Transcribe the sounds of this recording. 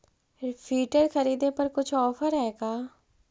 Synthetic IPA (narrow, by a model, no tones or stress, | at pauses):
pʰiːʈəɾkʰəɾiːd̪ẽːpəɾkʊt͡ʃʰɔːpʰəɾɦɛeːɡaː